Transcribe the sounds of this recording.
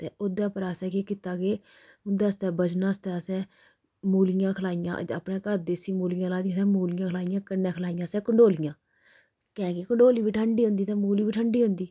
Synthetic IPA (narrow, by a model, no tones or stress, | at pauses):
t̪eːoːd̪aːpəɾaːsɛ̃ːkeːkɪt̪aːɡeː | ʊnd̪aːst̪ɛːbət͡ʃnãːst̪ɛːəsɛ̃ː | muːlɪjãːkʰəlaːɪjã̰ːə̰pnẽːkəɾd̪eːsiːmuːlɪjãːlaːd̪isɛ̃ːmuːlɪjãːkʰlaːɪjãːkənːɛ̃ːkʰlaːijãːsɛ̃ːkəɳɖoːlɪjãː | kɛ̃ːkekəɳɖoːliːʋiːʈʰəɳɖiːɦõnd̪iːt̪ɛ̃ːmuːliːʋiːʈʰəɳɖiːɦʊ̃nd̪iː